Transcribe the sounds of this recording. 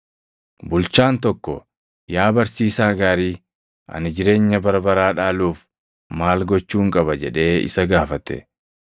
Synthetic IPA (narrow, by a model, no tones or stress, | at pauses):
bʊlt͡ʃaːnt̪ɔkːɔ̰ | jaːbɐɾsiːsaːɡaːɾiː | ʔɐ̰nɪd͡ʒɪɾe̞ːɲːɐbɐɾbɐɾaːᶑaːluːf | maːlɡɔt͡ʃːuːŋkʼɐbɐd͡ʒɛᶑe̞ːɪ̰sɐɡaːfɐt̪ɛ̰